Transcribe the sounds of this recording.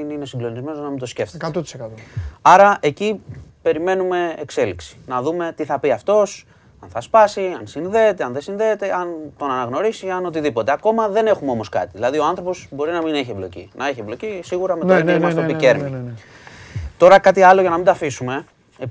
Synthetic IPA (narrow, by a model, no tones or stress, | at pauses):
ninesiŋɡlo̞nizme̞noznɐmind̪osce̞ft̪kɐt̪ot̪i̥sekɐt̪oɐɾɐʔe̞cipe̞ɾime̞nume̞ːkse̞liksi̥nɐðume̞t̪iθɐpiɐft̪o̞s | ɐnθɐspɐsiɐnsinðe̞ːt̪eɐnðe̞sinðe̞ːt̪e̞ɐnt̪o̞nɐnɐɣno̞ɾisiɐno̞t̪̬iðipo̞t̪e̞ɐko̞mɐðe̞ne̞xumeo̞mo̞skɐt̪iðilɐðio̞ɐnθɾo̞po̞zbo̞ɾinɐmineçieblo̞̰cḭnʔɐeçie̞blo̞cisiɣuɾɐmeɐineimɐst̪opice̞ɾmi | t̪o̞ɾɐkɐt̪iɐlo̞ʝɐnɐmind̪ɐfisume̞